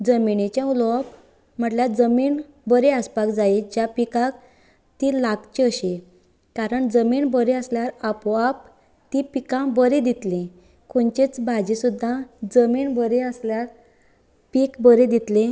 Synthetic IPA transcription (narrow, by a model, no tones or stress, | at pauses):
d͡zəmiɳet͡ɕjãulɔp | m̤əʈljad͡zəmiːɳ | bəɾeəspakd͡zaed͡ʑjapikak | t̪ilaɡt͡ɕeəɕe | kaɾəɳd͡zəmiːɳbəɾeəsljaɾapɔap | t̪ipikãbəɾed̪it̪lẽ | koɳt͡ɕet͡sbad͡ʑisud̪ʱːad͡zəmiɳbəɾeəsljaɾ | pikbəɾed̪it̪le